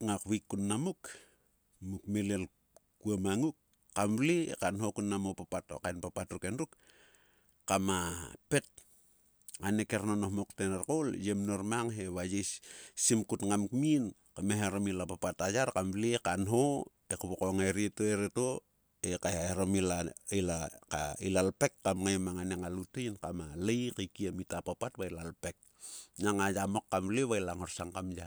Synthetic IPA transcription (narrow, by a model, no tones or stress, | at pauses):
ŋakβikːunːamuk | mukmelel | kuamaŋuk̚ː | amblḭkanɦo̞kunːamopapatokajnpapatɾukenduk | kamape̞t̚ | anekeɾnonohmoktenaɾkoljemnoɾmaŋɦe̞βajissimkutŋamkmin | kameɦeɾomilapapatajaɾkamblekanɦo | ekuβokoŋeɾetoeɾeto | ekahaeɾomilailaka̰ḭlalpekːamŋajmaŋaneŋalutejnkamalejkajkiamitapapatβailalpek̚ | naŋajamokːamleβajlaŋoɾsaŋkamja